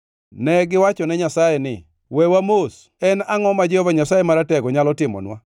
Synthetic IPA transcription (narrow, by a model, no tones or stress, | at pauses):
nɛɡɪwat͡ʃɔnɛɲasajɛnɪ | wɛwamos | ɛnaŋɔmad͡ʒɛhovaɲasajemaɾatɛɡɔɲalɔtɪmɔ̰nwa